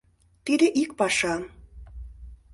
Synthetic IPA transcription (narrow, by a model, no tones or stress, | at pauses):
t̪id̪eʔik̚pɑʃɑ